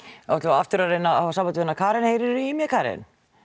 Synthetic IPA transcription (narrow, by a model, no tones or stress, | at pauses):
ɔt̪laaft̪ʏɾaɾejnːaasampant̪ɪvenakʰaːɾɛnhejɾɪɾimjɛkʰaːɾɛ̰n